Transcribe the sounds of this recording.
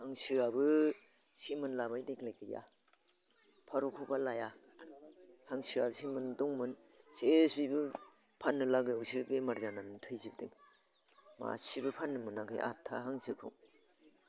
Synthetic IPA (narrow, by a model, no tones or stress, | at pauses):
haŋsɯabɯ | simɯnlabajdeklajkʰɯja̰ | pʰaɾokʰubalaja | haŋsɯabɯsimɯnduŋmɯn | sisbibɯpʰanːɯlaɡɯusibemaɾzanamɯntʰɯjzib̚diŋ | ma̰sibɯpʰanːɯmɯnakʰɯ̰jʔa̰tʰa̰ɦaŋsɯkʰṵŋ